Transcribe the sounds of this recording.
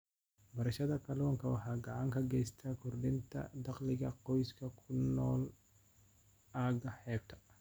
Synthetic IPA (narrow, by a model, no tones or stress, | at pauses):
bɐɾɐʃɐðɐkʰɐlɔːŋkʰɐwɑħɑːɡɐʕɑŋkʰɐɡɛjst̪ʰɐkʰʊrɖɪnt̪ʰɐ̰d̪ɑqlɪɣɐqɔjskʰɐkʰʊnːɔːl | aːɡɐħɛːb̚t̪ʰɐ̥